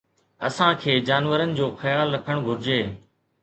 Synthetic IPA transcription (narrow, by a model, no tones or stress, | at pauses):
ɐ̰sãːkʰeːd͡ʑaːnʋəɾənɪ̆d͡ʑoːxɐjaːlːɐkʰəɽ̃ɡʱʊɾɪd͡ʑeː